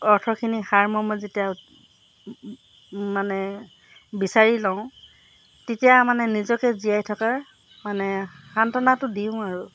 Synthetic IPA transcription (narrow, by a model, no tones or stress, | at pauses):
ɔɹtʰɔkʰinixaɹmɔmɔzetija | manɛ | bisaɹilaʊ̃ | tetijamanɛnizɔkɛzijajtʰɔkaɹ | manɛxantɔnatʊdiʊ̃aɹu